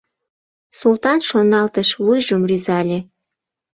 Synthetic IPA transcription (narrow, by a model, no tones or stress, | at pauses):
sult̪ɑnʃonɑlt̪əʃβujʒəmryzɑlʲe